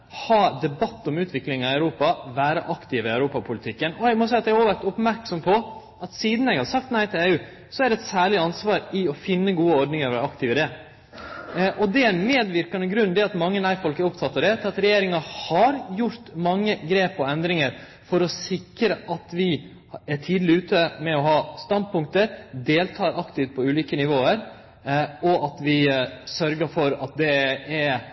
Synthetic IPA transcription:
hɑːd̪ɛbɑt̪ːɔmʉːt̪ʰʋɪklɪŋɑɑʉɾuːpɑʋæːɾəʔɑkt̪ɪʋɪɑʉɾuːpɑpʰʊlɪt̪ʰɪkːənɔɛɡmɔsæɪɑt̪ɛɡoʋæɾt̪ʊpmæɾksɔmpʰɔ | ɑt̪siːd̪n̩ɛɡhɑɾsɑk̚t̪næɪt̪ʰɪleːʉː | sɔæɾɖɛɛt̪sæːɭɪɑnsʋɑːɾɪɔfɪnːəɡuːəɔɾɖ̪nɪŋəɾʋæːɾɑkt̪ɪʋɪd̪ɛ | ʔɔd̪ɛænmeːd̪ʋɪɾkɑnəɡɾʉnd̪ɛɑt̪mɑŋːənæɪfɔlkɛɾʊpt̪ʰɑt̪ːɑʋd̪ɛt̪ʰɪlɑt̪ɾɛjeːɾɪŋɑhɑɾjʊɾt̪mɑŋːəɡɾeːpɔɛnd̪ɾɪŋəɾ | fɔɾɔsɪkɾəʔɑt̪ʋɪ | æʈʰiːd̪l̩ɪʉːt̪əmɛɔɦɑːst̪ɑnd̪̚pʰʊŋkt̪əɾd̪eːlt̪ʰɑːɾɑkt̪ɪʋt̪̚pʰɔʉːliːkənɪʋoːəɾ | ɔʔɑt̪ʋɪsœɾɡəfɔɾɑ̰t̪̚d̪ɛæɾ

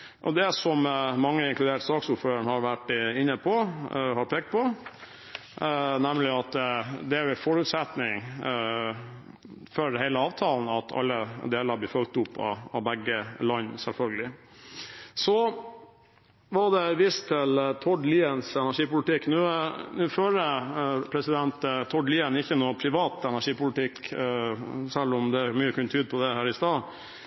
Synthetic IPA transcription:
ʔɔ̰d̪ɛsɔmmɑŋːəɪnŋklʉd̪eːʈə̥sɑːksʊɾføːɾəɳhɑɾʋæʈːɪnːəpʰɔhɑɾpʰeːkt̪̚pʰɔ | næmlɪɑt̪d̪ɛæɾjʊɪfɔɾʉːt̪sɛt̪nɪŋ | føɾhɛɪləɑːʋt̪ʰɑːln̩ɑt̪ʰɑ̰lːəd̪eːləɾb̪lɪːfœlk̚t̪ʊpːɑ̰ɑ̰bɛɡːəlɑnːsɛlfœlɡəlɪ | sɔ | ʋɑɖ̪ɛʋɪst̪ʰːɪlt̪ʰɔɖliːənsɛnæʂiːpʊlɪt̪ɪkːnʉːnʉːføːɾəpʰɾɛsɪd̪ɛnt̪t̪ʰɔɖliːənɪçːənupʰɾɪʋɑːt̪ɛnæʂiːpʊlɪt̪ʰɪk | sɛlːʊmd̪ɛæɾmyːəkʰʉnt̪ʰyːd̪̚pʰɔd̪ɛhæːɾɪst̪ɑː

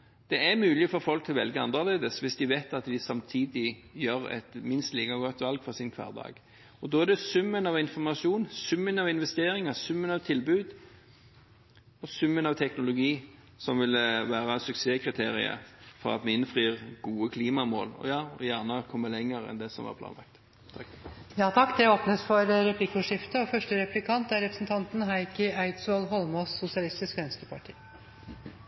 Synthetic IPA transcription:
d̪̥ɛæmʉːlɪfɔɾfɔlkt̪ʰɪlɔʋɛlɡəɑnəʁleːd̪əsʋɪsd̪ɪʋeɪt̪ɑt̪ʋɪsɑmt̪ʰiːd̪ɪjøːɾɛ̰t̪mɪnst̪liːkɑɡɔt̪ːʋɑlɡfɔʁsɪnkʰʋɑ̰ːʁd̪ɑ̰ːɡ | ɔd̪oːæd̪ɛsʉmːənɑʋɪnfɔʁmɑsuːnsʉmːənɑʋɪnʋɛst̪eːɾɪŋəsʉmːənɑʋt̪ʰɪlbʉːd̪ | ɔsʉmːənɑʋt̪ʰɛknʊlʊɡiː | sɔmʋɪlʋæːɾɑsʉkseːkʰʁɪt̪ʰeːɾɪ̰ə̰fɔ̰ɾɑ̰t̪mɛɪnfʁiːʁɡuːəkʰliːmɑmo̰ːlɔ̰jɑːɔjæːʁnəkʰɔmːəlɛŋːəɾɛ̰nd̪ɛsɔ̰mʋɑ̰pʰlɑ̰ːnɑ̰k̚t̪ | jɑːt̪ʰɑkːd̪ɛoːpnəsfɔɾɾɛpʰlɪkːʊʂɪft̪əɔfœʂʈəɾɛplɪkʰɑnt̪æɾɛpɾəsn̩t̪ʰɑnt̪n̩ɦæɪkəæɪt̪solɦɔlmɔsːʊsɪɑlɪst̪ɪskʋɛnskəpʰɑʈʰḭː

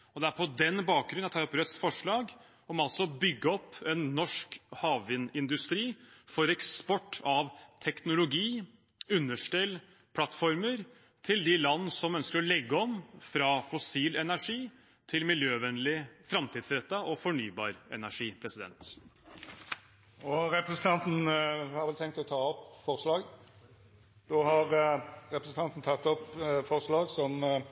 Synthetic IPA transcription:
ɔd̪ɛæɾpʰɔd̪ɛnːbɑːk̚ɡɾʉnɑt̪ʰɑɾɔpɾœt̪sfɔʂɭɑːɡ | ɔmɑlsɔbʏɡːəɔpːɛnːɔʂkhɑːʋʋɪnɪnd̪ʉst̪ɾiːfɔɾɛkspɔʈːɑʋt̪ʰɛknʊlʊɡiː | ʉnːəʂʈɛl | pʰlɑt̪ːfɔɾməɾ | t̪ʰɪld̪ɪlɑnːəsɔmœnskəɾɔlɛɡːəɔmfɾɑːfʊsiːlɛnæʂiː | t̪ʰɪlmɪljøːʋɛnlɪfɾɑmt̪ʰiːd̪sɾɛt̪ːɑʔɔfɔɳyːbɑ̰ːɾɛ̰næʂiːpʰɾɛsɪd̪ɛ̰nt̪ | ɔɾɛpɾəsn̩t̪ʰɑnt̪n̩hɑɾʋɛlt̪ʰɛŋkt̪ɔt̪ʰɑːɔpfɔɾslɑːɡ | d̪̥oːhɑɾɾɛpɾəsn̩t̪ɑnt̪n̩t̪ʰɑt̪ːɔpfɔʁslɑːɡsɔm

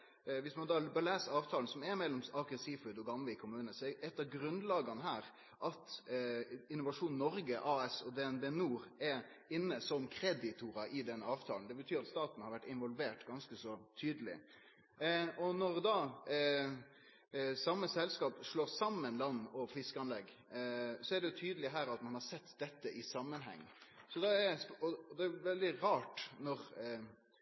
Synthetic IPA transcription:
ʋɪsmɑnd̪ɑːbəlæːsəɾɑːʋt̪ʰɑːlən̩sɔmɛɾmɛlːɔmɑkəsifʉd̪ɔɡɑmləɪkʰʊmʉːnəsɔɛt̪ːɑɡɾʉnd̪lɑːɡɑnɦæːɾ | ʔɑt̪ | ɪnːʊʋɑʂuːnnɔɾɡəʔɑːɛsɔd̪ɛɛnbenuːɾɛ | ɪnːəsɔmkʰɾɛd̪ɪt̪ʰuɾɑʔɪd̪ɛnːəɑːʋt̪ʰɑːlnd̪ɛbət̪ʰyːɾɑt̪st̪ɑːt̪n̩hɑɾʋæʈːɪnʋɔlʋeːʈɡɑnskəsɔt̪ʰyːd̪əlɪ̰ | ɔnɔɾd̪ɑː | sɑmːəsɛlskɑːpʂloːɾsɑmːənlɑnːɔfɪskəɑnlɛɡː | sɔæɖɛjʊt̪ʰyːd̪əlɪɦæːɾɑt̪mɑnhɑɾsɛt̪ːd̪ɛt̪ːəʔɪsɑmːənɦɛ̰ŋːsɔd̪ɑɛɾɔd̪ɛːjʊʋɛld̪ɪɾɑːʈnɔɾ

